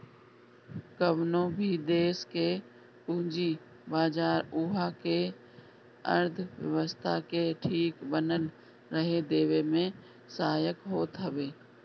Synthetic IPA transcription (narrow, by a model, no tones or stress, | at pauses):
kəʋnõbʱid̪eːske | ʊɦd͡ʒi | baːd͡ʒaːɾuɦake | ə̰ɾd̪ʱʋjə̰ʋəst̪ʰakeʈʰiːkbənən | ɾəɦed̪eːʋemẽ | saaːjəkɦoːt̪ɦɐʋeː